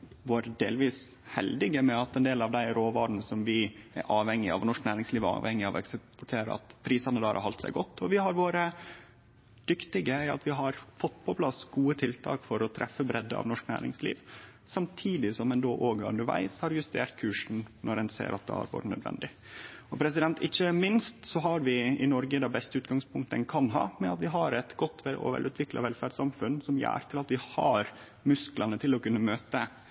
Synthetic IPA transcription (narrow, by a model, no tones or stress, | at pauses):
ʋoːɾəd̪eːlʋiːs | hɛld̪ɪɡəmɛɑt̪ɛnd̪eːlɑʋd̪æɪɾoːʋɑːɖn̩sɔmʋɪæ̰ɾʔɑːʋhɛŋːɪɑ̰ʋnɔʂknæːɾɪŋsliːʋɑ̰ːʋhɛŋːɪɑʋɛ̰kspɔʈʰeːɾə̰ɑ̰t̪pʰɾiːsɑnəd̪ɑːɾɑ̰ɾhɑlt̪sæ̰ɪɡɔt̪ːɔʋɪɦɑɾʋoːɾə | d̪̥ʏkt̪ɪɡəæɪɑ̰t̪ʋɪɦɑɾfɔt̪ːpʰɔpʰlɑsɡuːət̪ʰɪlt̪ʰɑ̰ːkfɔɾɔt̪ʰɾʔɛfːəbɾɛd̪əɑ̰ʋnɔʂknæ̰ːɾɪ̰ŋslḭːʋ | sɑmt̪ʰiːd̪ɪsɔmɛnd̪oːʔoːɡəʉ̰nəɾʋæ̰ɪshɑɾjʉst̪ʰḛːɾt̪̚kʰʉːʂn̩nʔɔɾɛnsḛːɾʔɑ̰t̪̚d̪ɛ̰ːɑ̰ɾbo̰ːɾənœ̰d̪ʋɛ̰nd̪ɪ | ɔpʰɾɛsɪd̪ɛnt̪ʰɪçːəmɪnst̪sɔɦɑɾʋɪɪnɔɾɡəd̪ɑbɛst̪əʉːt̪̚ɡɑŋspʰʊŋkt̪əɛnkʰɑnɦɑ̰ːmɛɑt̪ʋɪɦɑɾɛt̪ɡɔt̪ːʋɛlɔ̰ʋɛ̰lʉːt̪ʋɪklɑ̰ʋɛlfæɖsɑmfʉnsɔmjæ̰ːɾt̪ʰɪlɑt̪ʋɪhɑɾ | mʉsklɑnət̪ʰɪlɔkʉnːəmøːt̪ə